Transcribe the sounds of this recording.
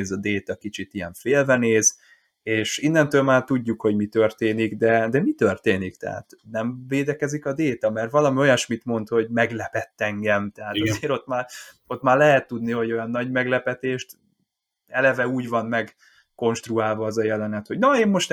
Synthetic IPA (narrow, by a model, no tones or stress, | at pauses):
zɒd̪eːt̪ɒkit͡ʃit̪ijɛɱfeːlvɛneːz | eːʃinːɛnt̪øːlmaːrt̪uɟːukho̞ɟmit̪ø̞rt̪eːniɡd̪ɛd̪ɛmit̪ørt̪eːnikt̪ɛ̰ɦa̰t̪nɛmveːd̪ɛkɛzikɒd̪eːt̪ɒmɛrvɒlɒmio̞jɒʃmit̪mo̞nt̪ho̞ɟmɛɡlɛpɛt̪ːɛŋɡɛmt̪ɛɦaːt̪ɒzeːɾo̞t̪maːro̞t̪maːrlɛɦɛt̪ːud̪niho̞ɟo̞jɒnːɒɟmɛɡlɛpɛt̪eːʃt̪ | ɛlɛvɛuːɟvɒnmɛɡ | ko̞nʃt̪ruaːlvɒɒzɒjɛlɛnɛt̪ho̞ɟnɒeːmːo̞ʃt̪